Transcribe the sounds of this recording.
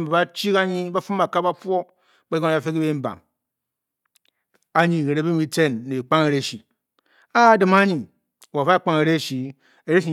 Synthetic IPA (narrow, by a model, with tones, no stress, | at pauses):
ba˨ba˦t͡ʃi˦ka˦ɲi˦ba˦fu˦mba˨ka˦ba˦fʷo˦ | ba˦ɡo˦n˨˦a˨fe˦ki˦be˦m̩˦ba̰˨ŋ | a˨ɲi˨ɾe˨ɾe˦bi˦mi˦te˦nːe˨e˨k͡pa˦ŋe˨ɾe˦˨ʃi˨ | a˦˨˦dɨ˨ma˦ɲi˨ | a˨va˦˨k͡pa˦ŋe˨ɾe˦˨ʃi˨ | e˨ɾe˦ʃi˨